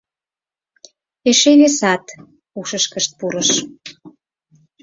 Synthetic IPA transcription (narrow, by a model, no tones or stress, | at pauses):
eʃeβesɑt̪ | uʃəʃkəʃt̪̚puɾəʃ